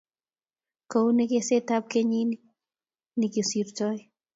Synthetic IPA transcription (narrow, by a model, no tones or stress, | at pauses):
kownekeset̪ap̚keɲini | nikisiɾtɔj